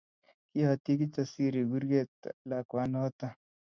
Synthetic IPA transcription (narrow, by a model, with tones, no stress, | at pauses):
ki˦ha˨t̪i˦k̬i˦t͡ʃa˨si˦ɾi˨ɡu˦ɾɡe˦˨t̪la˨kwa˨˦nɔ˦t̪a˦